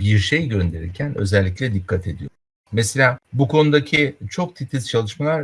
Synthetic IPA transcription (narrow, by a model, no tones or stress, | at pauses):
biɾʃe̞jɟø̞nd̪e̞ɾiɾcʰænø̞̰zɛlʲːicʲlʲɛd̪ikʰːat̪ʰe̞d̪ijo | mese̞lʲaːbukʰo̞nud̪acʰit͡ʃʰo̞k̚t̪ʰit̪ʰizt͡ʃʰalˠɯʃmalˠaɾ